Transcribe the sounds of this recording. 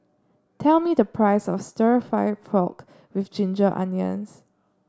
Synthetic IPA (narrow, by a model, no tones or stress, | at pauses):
tʰɛlmidəpʰɹaɪsɔ̰fstəɹifaɪdfɹɔk | wifd͡ʒĩnd͡ʒəʔã̰njə̰̃ns